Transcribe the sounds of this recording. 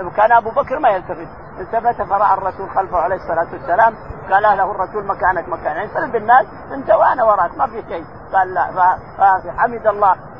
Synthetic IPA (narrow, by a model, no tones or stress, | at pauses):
wkaːnʔabubakɾmajalt̪afɪt̪̚ | ʔɪnt̪abat̪afɑɾˤɑʔɑrˤːɑsuːlxalfahʕaleːhɨsˤːɑlaːt̪wasːalaːmɡɑːlːahlahrˤːɑsuːlmakaːnakmakaːnasalːambɪnːaːs | mɪnd͡ʒ̪awaʔanawɑɾˤɑːʔk̪mafiʃeː | ɡ̥ɑːlːafa | aħamid̪ɑlˤːɑː